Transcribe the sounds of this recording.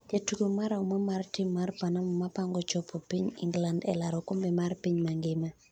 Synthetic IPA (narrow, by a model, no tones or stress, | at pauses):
d͡ʒetuɡomaɾaɔmamartɪmːartpanamɔmapaŋɡɔt͡ʃopʰopiɲɪ̰ŋɡlandɛ̰laɾɔkʊmbɛmarpiɲmaŋɡɪma